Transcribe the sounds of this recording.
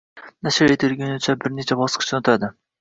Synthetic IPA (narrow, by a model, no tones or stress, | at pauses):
naʃɪɾet̪ʰɪɾɡʲɪnɪt͡ʃʰabɪɾnet͡ʃʰabɒsqʰɨ̥t͡ʃʰnʊt̪ʰad̪ɪ